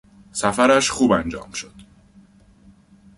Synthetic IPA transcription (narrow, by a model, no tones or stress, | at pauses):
sæfæɾæʃxuːbænd͡ʒɒ̰ːmʃod̪̥